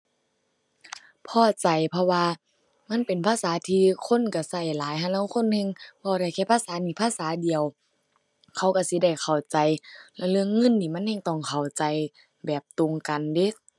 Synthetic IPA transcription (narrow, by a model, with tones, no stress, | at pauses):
pʰɔː˧˩t͡ɕa˨jpʰɔ˧waː˧ | ma˧˥˨npe˨˩npʰaː˧˥˨saː˨˦t̪ʰiː˧kʰo˧˥˨nka˧˩sa˧˩jlaː˨˦jɦa˧nlɛ˧˩˨wkʰo˧˥˨nhɛ˧˥˨ŋbɔː˧˦ɾa˧˩jkʰɛː˧˩pʰaː˧˥˨saː˨˦niː˧˩˨pʰaː˧˥˨saː˨˦di˨əw | kʰa˧˩˨wka˧˩si˧˦da˧˩jkʰa˨˩wt͡ɕa˨jlɛ˧˩lɯ˧əŋːɤ˧˥˨nːiː˧˩ma˧˥˨nhɛː˧˩ŋt̪ɔ˧˩˨ŋkʰa˨˩wt͡ɕa˨j | bɛː˨˩p̚t̪o˨ŋka˨nde˧˦˨